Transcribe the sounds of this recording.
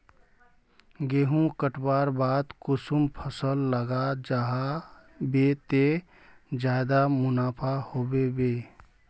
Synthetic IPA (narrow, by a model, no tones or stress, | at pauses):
ɡeɦũkəʈbaɾbad̪kusumpʰəsəlːəɡad͡ʒaɦa | bet̪e | d͡ʒad̪amunapʰahobebe